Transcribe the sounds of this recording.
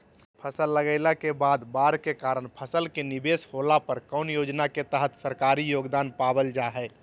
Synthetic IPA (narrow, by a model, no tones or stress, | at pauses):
pʰəsəlːəɡəɪlakebaːd̪baːɾkekaːɾənpʰəsəlkenibesholapəɾkəʊnjoːd͡ʒnaket̪əɦət̪səɾkaːɾijoːɡd̪aːnpabəld͡ʒaɦɛ